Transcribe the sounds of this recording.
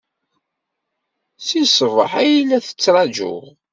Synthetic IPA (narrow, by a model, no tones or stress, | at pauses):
sisˤəvə̰ħæjilːæθə̥t͡sːɾˤɑd͡ʒʊ̰ʁ